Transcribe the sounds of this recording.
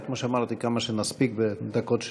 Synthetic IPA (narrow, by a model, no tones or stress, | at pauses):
kmoʃeamaɾt̪ikamaʃemaspik̚bed̪akot̪ʃ